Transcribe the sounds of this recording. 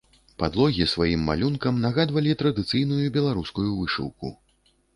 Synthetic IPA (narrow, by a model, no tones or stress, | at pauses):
pad̪lˠɔɣʲisvajimːa̰lʲunkɐmnaɣad̪vɐlʲit̪ɾɐd̪ɨt̪sɨjnujubʲɛlˠaɾuskujuvɨʂɨ̰wkṵ